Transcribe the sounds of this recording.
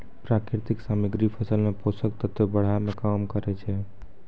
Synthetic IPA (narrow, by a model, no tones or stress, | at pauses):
pɾakɾɪɾt̪iksamiɡɾipʰəsəlmeposək̚t̪ət̪webəɽ̤amẽkamkəɾɛt͡ʃʰɛ